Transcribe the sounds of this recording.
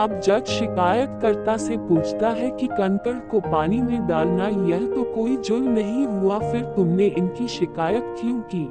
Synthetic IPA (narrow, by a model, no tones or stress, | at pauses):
ɐbd͡ʒɐbʃɪkaːjət̪kɐɾt̪asepuːt͡ʃʰt̪aɦɛkikɐ̃nt̪əɽkopaːnimẽɖaːlnajɛɦt̪okoːid͡ʒʊlnɐɦĩɦuafɪɾt̪ʊmneʔɪnkiʃɪkaːjət̪kijũkiː